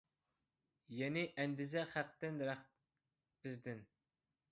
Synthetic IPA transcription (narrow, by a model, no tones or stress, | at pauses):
jɛnɪʔɛnd̪ɪzɛχæq̚t̪ɪnɾæχ | b̥ɪzd̪ɪn